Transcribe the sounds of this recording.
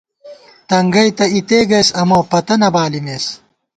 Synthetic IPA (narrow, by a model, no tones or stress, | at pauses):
t̪ɐŋɡɐjt̪ɐit̪eːɡɐsɐmoːpɐt̪ɐnɐbaːlimeːs